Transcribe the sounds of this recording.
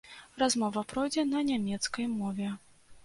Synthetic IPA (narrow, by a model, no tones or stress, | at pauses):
razmɔvɐpɾɔjd͡zʲɛnɐnʲamʲɛt̪skɐjmɔvʲɛ